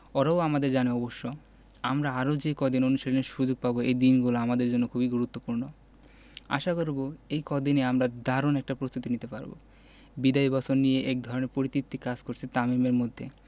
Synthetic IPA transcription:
ɔɾaoamad̪eɾd͡ʑaneɔboʃːo | amɾaaɾod͡ʑekɔd̪inonuʃelleʃud͡ʑoɡ̚paboejd̪inɡuloamad̪eɾd͡ʑonːokʰubiɡuɾut̪ːopuɾno | a̰ʃakoɾboejkɔd̪ineamɾad̪aɾonɛk̚ʈapɾost̪ʰut̪init̪epa̰ɾbo̰ | bid̪aibasonːijeʔɛk̚d̪ʱɔɾoneɾpoɾit̪ip̚t̪ikad͡ʑkoɾt͡ɕʰet̪amimeɾmod̪ʱːḛ

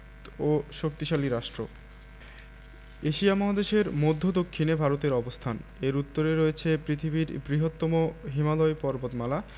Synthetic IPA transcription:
t̪oʃok̚t̪iʃaliɾaʃʈɾo̰ | eʃiamɔɦad̪eʃeɾmod̪ʱːod̪okʰːinebʱaɾot̪eɾɔbost̪ʰaneɾut̪ːoɾeɾoet͡ɕʰepɾit̪ʰibiɾbɾiɦot̪ːɔmoɦimalɔepɔɾbot̪mala

